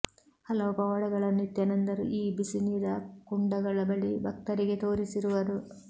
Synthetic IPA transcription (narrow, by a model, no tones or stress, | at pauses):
hɐlɐʋupɐʋɐɽɐɡɐɭɐnːit̪jɐnɐnd̪ɐɾṵʔiːbisiniːɾɐkuɳɖɐɡɐɭɐbɐɭibɐk̚t̪ɐɾiɡe̞t̪oːɾisiɾuʋɐd̪u